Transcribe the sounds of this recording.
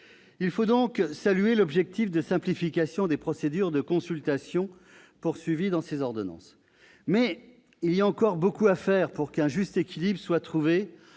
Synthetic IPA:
ilfod̪ɔ̃ksalyelɔbʒɛk̚t̪ifd̪əsɛ̃plifikʲasjɔ̃d̪epχɔsed̪yʁd̪əkɔ̃sylt̪asjɔ̃ | puʁsɥivid̪ɑ̃sezɔʁd̪ɔnɑ̰̃s | mɛ | iliaɑ̃kɔʁbokuafɛʁpuʁkɛ̃ʒyst̪ekʲilibʁəswat̪χuve

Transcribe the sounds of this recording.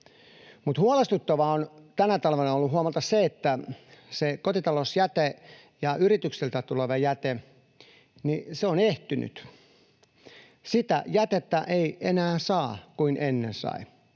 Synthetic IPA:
mut̪huɑlest̪ut̪ːɑʋɑont̪ænæt̪ɑlʋenɑolːuhuɑmɑlt̪ɑsseet̪ːæsekot̪it̪ɑlosjæt̪e | jɑʔyrit̪ykselt̪æt̪uleʋɑjæt̪e | niseoneht̪yny̰t̪ | sit̪æ̰jæt̪et̪ːæʔeienæːsɑːkuinʔenːensɑ̰i

